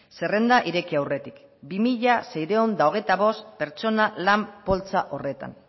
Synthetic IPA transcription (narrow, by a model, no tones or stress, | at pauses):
se̞re̞nd̪aʔiɾe̞kiawre̞t̪ik | bimiʎasejɾeond̪ao̞ɣ̞e̞jt̪aβo̞st̪pe̞ɾt͡ʃo̞nalampo̞lt͡saʔo̞re̞t̪a̰n